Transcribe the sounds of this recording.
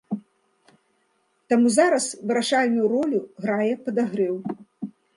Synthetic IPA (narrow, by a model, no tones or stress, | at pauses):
t̪amuzaɾɐsvɨɾaʂalʲnʲujuɾɔlʲuɣɾajɛpɐd̪aɣɾɛw